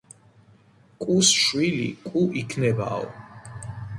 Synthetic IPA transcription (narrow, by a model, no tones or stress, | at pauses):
kʼusʃwilḭkʼuʔikʰnɛba̰ɔ̰